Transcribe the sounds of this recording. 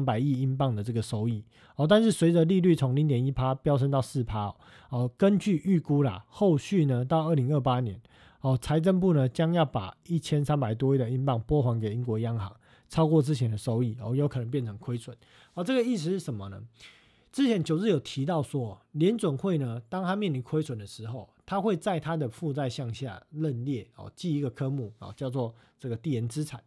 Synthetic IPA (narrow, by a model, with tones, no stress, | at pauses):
npa˨˩ɪi˥˨i˥npɑ˥˩ŋd̪ə˩t͡sə˥˩ɡə˩so˥ʊi˥˩ | ɔ˨t̪a˥˧nʂɻ̩˥˩swe˨˥ɪd͡zə˨li˥˧ly˥˩t͡sʰo˧˦ŋli˧˥ŋt̪jɛ˨˦ni˥pʰa˥pjɑ˥ʊʂ̬ə˧˥nt̪ɑ˥˧ʊsɹ̩˥˩pʰa˥ɔ̰˨˦ɔ˥˩kə˦nt͡ɕy˥˧ʔy˥˩ku˥la̰˨xo˥˧ʊɕy˥˩nə˨t̪ɑ˥˧ʊə˥˩li˧˥ŋə˥˩pa˦njɛ̰˧˦n | ɔ˨˩t͡sʰa˧˥ɪt͡sə˥˧np̬u˥˩nə˨t͡ɕjɑ˥ŋjɑ˥˩ʊpa̰˨˩i˥˩t͡ɕʰjɛ˥nsa˥npa˨˩ɪt̪̬wɔ˦i˥˩də˩i˥npɑ˥˩ŋpwɔ˥xwa˧˥nke˨˩ɪi˧˥ŋkwɔ˧˦jɑ˥ŋxɑ̰˨˦ŋ | t͡sʰɑ˥ʊkwɔ˥˨t͡sɹ̩˥t͡ɕʰjɛ˧˥nd̪ə˨ʂo˥ʊi˥˩ɔ̰˥˩jo˧˥kʰɤ˨˩nə˧˦mpjɛ˥˩nt͡sʰɤə˧˥ŋkʰwe˥ɪsʰwə˨˩˦n | ɔ˥˨t͡sə˥˩ɡə˩i˥˩ʂ̬̩˧ʂɻ̩˥˩ʂə˨˩˦mə˨nə̰˦ | t͡sɹ̩˥t͡ɕʰjɛ˧˦nt͡ɕjo˨˩ʊɻ̩˥˩˨jo˨˩ʊt̪ʰi˧˥t̪ɑ˥˩ʊʂwɔ˦˥ljɛ˨˧˦nt͡swə˨˩nxwe˥˩ɪnə˨t̪ɑ˥ŋt̪ʰa˥mjɛ˥˨nli˧˩nkʰwe˥ɪswə˨˩nd̪ə˩ʂɻ̩˧˥xo˥˩ʊt̪ʰa˥xwe˥˧ɪt͡sa˥˨ɪt̪ʰa˦d̪ə˨fu˥˧t͡sa˥˧ɪɕjɑ˥˧ŋɕja̰˥˨lə˥˧nljɛ˥˩ɔ̰˨˩t͡ɕi˥˧i˧˥ɡə˨kʰɤ˦mu˥˩ɔ̰˨˩t͡ɕjɑ˥˧ʊt͡swɔ˥˨t͡sə˥˩ɡə˩t̪i˥˩jɛ˨˧˦nt͡sɹ̩˦t͡sʰa˨˩˦ɪ